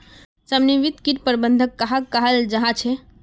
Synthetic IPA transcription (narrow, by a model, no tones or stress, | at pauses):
səmniʋit̪kiʈ̚pəɾbənd̪ʱəkːaɦakːaɦəld͡ʒəɦãt͡ʃʰe